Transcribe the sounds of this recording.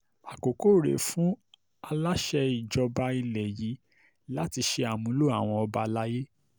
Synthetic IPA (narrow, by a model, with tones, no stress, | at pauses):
a˨ko˨ko˦˨ɾḛ˨fũ˦ | a˧la˦ʃɛ˧i˨d͡ʒɔ˧ba˧i˧lɛ˨ji˨˦ | la˦ti˧ʃe˧a˨mũ˨˦lo˦a̰˦˨w̃ɔ̃˧ɔ˧ba˧la˦je˦